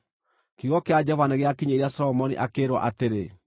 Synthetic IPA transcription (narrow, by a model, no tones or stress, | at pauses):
kiɣɔkead͡ʑɔvaneɣeakiɲeɾiasɔlɔmɔnḭʔakeːɾwɔ̰ʔateɾe